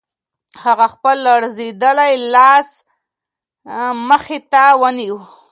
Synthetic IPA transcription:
haɣaxpəlːaɽzed̪əlajlɑs | məxet̪awəniwu

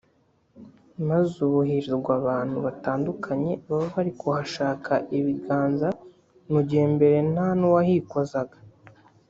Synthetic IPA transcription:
mazuβuɦiɾiɾɡwaːβaːn̥huβataːndukʰaɲe̞βaβoβaɾikuhaʃaːkʰaʔiβiɡaːnza | nuɟihembe̞ɾe̞nanowahiːkozaɡḁ

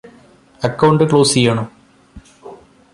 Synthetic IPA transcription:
ɐkːɐwɳɖɨkɭoːsijaːɳo

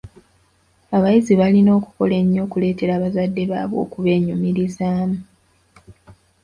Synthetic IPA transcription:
aβajiziβalino̞ːku̥ko̞le̞ɲːo̞ːkule̞ːte̞ɾaːβazadːe̞βa̰ːβo̞̰ːkuβe̞ːɲumiɾizaːmu

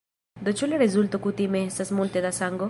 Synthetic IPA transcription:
d̪ot͡ʃulerezult̪okut̪imesasmũnt̪eðasaŋɡo

